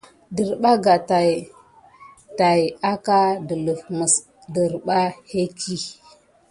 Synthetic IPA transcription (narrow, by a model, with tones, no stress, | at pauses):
di˨ɾɓa˦ɡa˨ta˨j | ta˨ja˦ka˦də˨lmə˨s | də˨ɾɓa˦he˦ki˦